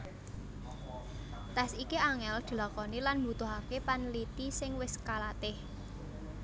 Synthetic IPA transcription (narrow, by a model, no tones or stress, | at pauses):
t̪ɛsikiaŋɛld̪̥i̤lakɔnilanmbṳt̪ʊɦakepanlit̪isɪŋwɪskalat̪ɪh